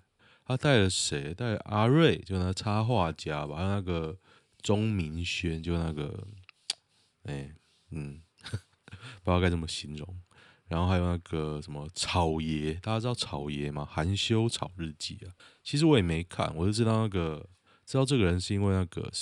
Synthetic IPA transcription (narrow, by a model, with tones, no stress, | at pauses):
a˥t̪a˥˩ɪlə˩ʂe˨˥ɪt̪a˥˩ɪlə˨˩ʔa˥ɻwe˥˨˩ɪt͡ɕjo˥˧˦na˥˩ɡə˩t͡sʰa˦xwa˥˨t͡ɕja˦˥ba˨xa˧˥jo˧˩na˥˩ɡə˩ | ʈ͡ʂʊ˦ŋmi˧˦nɕɥɛ˦nt͡ɕjo˥˧˩na˥˩ɡə̰˩ | e˥˨˩ | n̩˨˩ | pu˧jka˥˧ɪʈ͡ʂə˥˩mə˩ɕi˧˦nɻʊ̰˨˦ŋ | ɻa˧˦nxo˥˩a˥ɪjo˨˩na˥˩ɡə˩ʂə˧˦nmə˧ʈ͡ʂʰɑ˨˩ʊjɛ˧˦t̪a˥˩t͡ɕa˥ʈ͡ʂɻ̩˥t̪ɑ˥˩ɑ˨˩ʊjɛ˧˦ma˧xa˨˦nɕjo˥ʊʈ͡ʂʰɑ˨˩ʊɻ̩˥˧t͡ɕḭ˥˩ɐ˩t͡ɕʰi˧˥ʂ̬ɻ̩˧˦wɔ˦jɛ˨˩me˨˧˥ɪkʰa̰˥˩nwɔ˨˩t͡ɕo˥˧ʈ͡ʂɻ̩˥˧t̪ɑ˥˧ʊna˥˩ɡə˩ | ʈ͡ʂɻ̩˥t̪ɑ˥˧ʊʈ͡ʂɤ˥˨ɡə˩ɻə˧˦nʂɻ̩˥˧i˥nwe˥˧ɪna˥˩ɡə̰˩